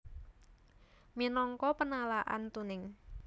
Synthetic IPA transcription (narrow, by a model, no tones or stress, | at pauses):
minɔŋkɔpənalaʔa̰nt̪unɪŋ